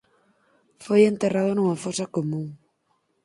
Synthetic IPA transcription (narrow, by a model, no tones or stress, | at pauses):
fojent̪erað̞onuŋafosɐkomũŋ